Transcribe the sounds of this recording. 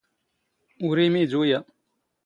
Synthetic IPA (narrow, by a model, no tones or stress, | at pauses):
uɾemid͡ʒuja